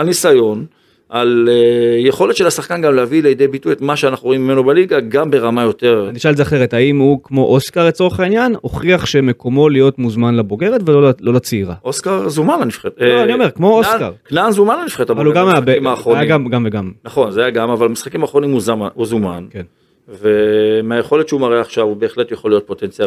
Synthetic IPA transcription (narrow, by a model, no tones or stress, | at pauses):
anisajo̞n | ʔalejeχo̞letʃelasaχkanɡamleavilejid̪ejbitujet̪maʃeanaχnuʁoimimenobaliɡaɡambeʁamajo̞t̪eʁaniʃaalzeaχe̞ʁet̪haimhukmo̞ʔoskaʁlet͡so̞ʁeχainjano̞χʁiaχʃeme̞ko̞mo̞lijo̞t̪muzmanlabo̞ɡe̞ʁe̞t̪velollo̞lat͡siiʁa̰oskaʁzumananifχetoannio̞me̞ʁkmo̞oska̰ʁknanzumananifχet̪avvaluɡamaabeimaːχʁojaɡamɡamveɡamnaχo̞nzeajaɡamavalamisχakimaːχʁo̞nimuzamauzumanken | vemeajeχo̞let̪ʃeumaʁeaχʃavube̞ːχle̞t̪jaχolːijot̚po̞t̪ent͡sija